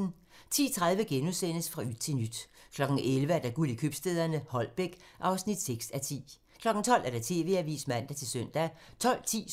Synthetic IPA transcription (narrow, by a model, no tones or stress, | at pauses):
n̩ | t͡sʰḭːt͡sʰʁað̞ˠʋəɡ̥enuðˠsen̰əsfʁɑ̈yð̥̚t͡sʰe̝nyd̥kʰlɒ̽ɡ̥n̩ʔelʋəæɐd̥æɡ̥ulikʰøb̥sd̥eð̞ˠɐnəhɒ̽l̰b̥eɡ̥ | ʔɑ̈ʊsnid̥seɡ̥sæt͡sʰḭː | kʰlɒ̽ɡ̥n̩t͡sʰɒ̽l̰æɐɾ̥æt͡sʰe̝̰ːʋe̝̰ːæʋḭːsmæn̰d̥æt͡sʰe̝lsøn̰d̥æt͡sʰɒ̽l̰t͡sʰḭː